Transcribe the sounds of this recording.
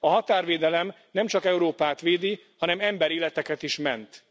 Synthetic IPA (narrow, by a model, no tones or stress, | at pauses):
ɒɦɒt̪aːrʋeːd̪ɛlɛm | nɛmt͡ʃɒkɛuɾoːpaːt̪ʋeːd̪i | hɒnɛmɛmbɛɾeːlɛt̪ɛkɛt̪iʃmɛnt̪